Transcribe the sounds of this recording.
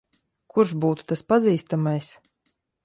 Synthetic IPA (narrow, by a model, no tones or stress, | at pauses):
kʰuɾʃbuːt̪u̥t̪aspaziːst̪amajs